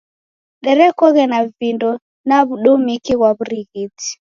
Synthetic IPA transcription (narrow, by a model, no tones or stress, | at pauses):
ɗɛɾɛkɔɣɛnavindɔ | naβuɗɔmikiɣwaβuɾiɣiti̥